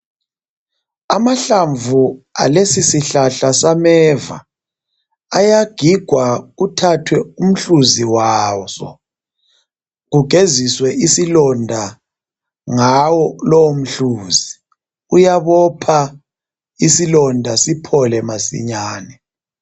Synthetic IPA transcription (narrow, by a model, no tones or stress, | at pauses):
amaɬaɱvualesisiɬaɬasamɛva̰ | jaɡ̥ʱiɡ̥ʱwaɣutʰatʰwɛum̩ɬuziwasɔ̰ | ɣuɡ̥ʱeziswɛʔisilɔndʱa | ŋawɔlɔwom̩ɬuːzi | ujaβɔpʰa | isilɔndʱasipʰɔlɛmasḭɲaːnɛ